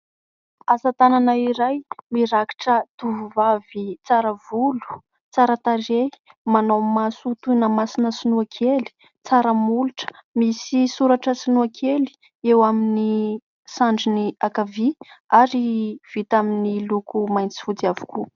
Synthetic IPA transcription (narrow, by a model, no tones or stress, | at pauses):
azat̪ananaiɾajmiɾaki̥ʈ͡ʂət̪uvuvavit͡saɾəvulu̥ | t͡saɾət̪are | manowmasut̪unəmasinəsinuakʰeli̥ | t͡saɾəmuluʈ͡ʂə̥misisuɾaʈ͡ʂəsinuakʰeli̥ | ewamini | saɳɖ͡ʐiniakaviaɾiv̥it̪aminilukumajnt͡si̥fut͡siavu̥ku